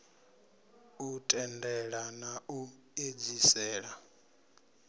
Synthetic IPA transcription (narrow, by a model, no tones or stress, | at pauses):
utʼɛndɛɺanaʔu | ed͡zisɛːɺa